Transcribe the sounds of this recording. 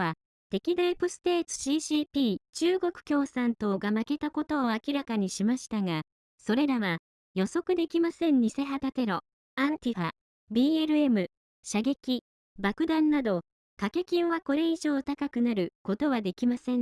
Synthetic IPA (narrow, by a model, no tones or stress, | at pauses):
a | t̪e̞kʲid̪aipɯ̟sɨ̥t̪e̞ːt͡sɨ̥ɕiːɕiːpʲiːt͡ɕɨːɡo̞kɯ̟̥kʲo̞ːsãnt̪o̞ɡamake̞t̪ako̞t̪o̞ːakʲiɾakaɲ̟iɕimaɕi̥t̪aŋa | so̞ɾe̞ɾaβa | jo̞so̞kɯ̟d̪e̞kʲimasẽ̞ɲɲise̞ɦat̪at̪e̞ɾo̞ | ãnt̪ʲiɸa | bʲiːeɾɯ̟e̞mɯ̟ | ɕaɡe̞kʲi | bakɯ̟d̪ãnːad̪o̞ | kake̞kʲĩɰ̃βako̞ɾe̞iʑo̞ːt̪akakɯ̟naɾɯ̟ko̞t̪o̞βad̪e̞kʲimasẽ̞